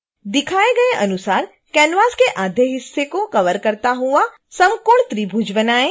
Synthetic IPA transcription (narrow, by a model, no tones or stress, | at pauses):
d̪ɪkʰaːeɡɐeʔɐnʊsaːɾ | kɛːnʋaːskeʔaːd̪ʱjeɦɪsːekokɐʋəɾkɐɾt̪aɦua | sɐ̃mkoːɳ̃t̪ɾibʱud͡ʒʋənaːẽ